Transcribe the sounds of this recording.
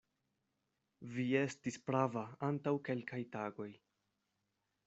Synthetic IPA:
vie̞stispɾavaantawke̞lkajtaɡo̞j

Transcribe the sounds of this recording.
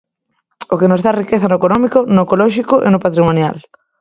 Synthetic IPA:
okenʊzðarikeθanoekonɔmikonoekolɔʃikʊʔḛnopat̪ɾimonja̰l

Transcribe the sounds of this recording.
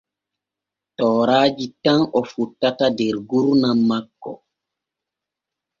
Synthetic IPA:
tɔːɾaːd͡ʒitanʔɔfutːatadɛɾɡuɾnamːakːɔ̰

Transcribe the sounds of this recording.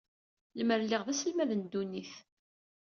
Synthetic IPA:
ləməɾlːiʁðæsəlmæðənd̪ːunːiθ

